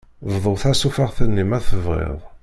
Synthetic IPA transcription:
vðˤəθæsufaʁθənːimæθəvʁḛðˤ

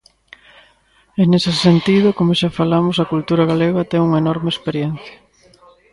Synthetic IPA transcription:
enesesent̪iðʊkomʊʃafalamʊsɐkult̪uɾɐɣaleɣɐt̪ɛŋuŋɐenɔɾmeespeɾjen̟θjɐ

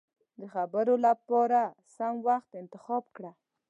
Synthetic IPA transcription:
d̪əxabəɾolapɑɾasamwaxt̪ɪnt̪ɪxɑbkɽa

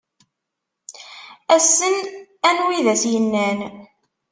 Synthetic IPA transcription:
æsːənænwiðæsjənːæn

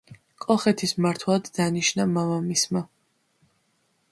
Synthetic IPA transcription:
kʼɔχɛt̪ʰismaɾt̪ʰwˠad̪ːaniʃnamamamisma

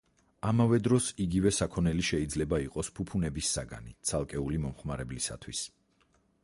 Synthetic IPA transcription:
amavɛd̪ɾɔsiɡivɛsakʰɔnɛliʃɛid̪zlɛbaiqʼɔspʰupʰunɛbisːaɡa̰nit̪sʰalˠkʼɛulimɔmχmaɾɛblisa̰t̪ʰwis

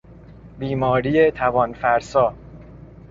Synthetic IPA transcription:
biːmɒːɾiːet̪ʰævɒːnfæɾsɒː

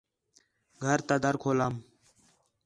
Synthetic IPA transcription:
ɡʱəɾt̪əd̪əɾkʰoːlaːm

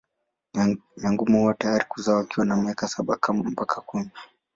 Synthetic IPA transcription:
maŋɡumuhuwatajaɾikuzaɔakiwanamiakasaɓakʰamam̩pakʰakumi

